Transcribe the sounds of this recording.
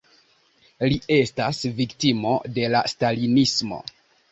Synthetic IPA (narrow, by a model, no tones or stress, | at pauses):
lie̞stasviktimo̞de̞lastalinismo̞̰